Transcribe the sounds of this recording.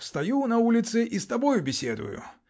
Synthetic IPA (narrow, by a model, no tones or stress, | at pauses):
fst̪ɐjunɐulʲɪt̪sɨʔist̪ɐbɔjʊbʲɪsʲed̪ʊ̰jʊ̰